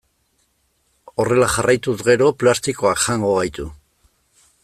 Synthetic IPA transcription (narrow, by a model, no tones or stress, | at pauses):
o̞re̞laʝarʔajt̪usɡe̞ɾo̞plast̪iko̞akʝaŋɡo̞ɣajt̪u